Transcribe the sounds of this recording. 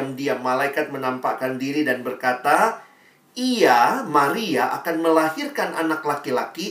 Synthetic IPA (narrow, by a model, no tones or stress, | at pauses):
amdiamalaikat̪̚mənampakandiɾidanbərkat̪a | iamaɾiaʔa̰kanməlaɦirkanʔanaklakilaki